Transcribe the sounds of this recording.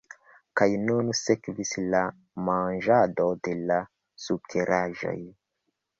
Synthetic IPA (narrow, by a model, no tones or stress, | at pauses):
kajnunsekvisla | manʒado̞de̞la | sukʰeɾʔaʒo̞̰j